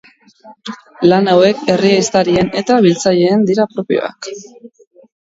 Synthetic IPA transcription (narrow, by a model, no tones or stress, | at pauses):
lanawe̞ke̞riajst̪aɾie̞ne̞t̪aβilt͡saʎe̞ːnd̪iɾapɾo̞pio̰a̰k